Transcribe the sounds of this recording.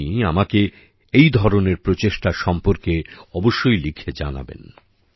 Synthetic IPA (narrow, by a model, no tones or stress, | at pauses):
iamake | ejd̪ʱɔɾoneɾpɾot͡ɕeʃʈaʃɔmpoɾkeɔboʃːojlikʰed͡ʑa̰na̰bḛn